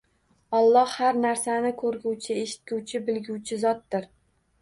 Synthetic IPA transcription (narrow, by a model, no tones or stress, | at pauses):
ɒlˠːɒhhaɾnaɾsanɪkʰɵɾɡʲuwt͡ʃʰɪeʃɪ̥t̪̚ɡʲuwt͡ʃʰɪbɪlɡʲuwt͡ʃʰɪzɒt̪̚d̪ɪɾ